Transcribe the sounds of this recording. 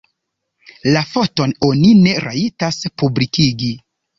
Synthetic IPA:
lafo̞to̞no̞nine̞ɾa̰itaspublikiɡi

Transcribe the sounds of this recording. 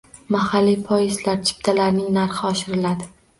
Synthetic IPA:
mahalːijpʰɒjɪzlaɾt͡ʃʰɪ̥p̚t̪ʰalaɾnɪŋnaɾχɪɒʃɪɾɪlad̪ɪ

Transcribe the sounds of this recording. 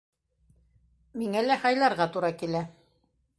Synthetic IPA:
miŋælæhɑjlˠɑɾʁɑt̪uɾɑkilæ

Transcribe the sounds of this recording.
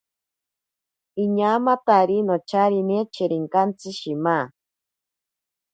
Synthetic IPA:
iɲamat̪aɾinot͡ʃaɾinet͡ʃeɾiŋkant͡sɨʃima

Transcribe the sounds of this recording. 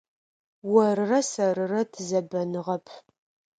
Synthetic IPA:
wɐrɨrɐsɐɾɨrɐtʰɨzɐbɐnɨʁɐpʰ

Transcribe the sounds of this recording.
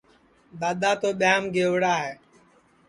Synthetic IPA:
d̪aːd̪aːt̪oːɓɪjaːmɡeːʋɽaːɦɛː

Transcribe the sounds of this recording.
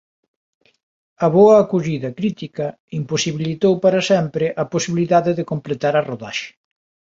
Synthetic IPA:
ɐβoɐːkuʎiðɐkɾit̪ikɐ | imposiβilit̪owpaɾɐsɛmpɾɪʔɐposiβiliðaðɪðɪkomplet̪aɾɐroða̰ʃɪ̥

